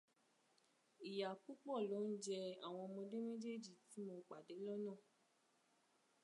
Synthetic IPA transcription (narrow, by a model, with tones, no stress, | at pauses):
i˨ja˨ku˦k͡pɔ˦˨lo˨˦n̩˦d͡ʒɛ˧a̰˦˨w̃ɔ̃˧mɔ̃˧de˦me˦d͡ʒe˦d͡ʒi˦˨ti˨˦mo˧k͡pa˨de˨˦lɔ˦nãː˦˨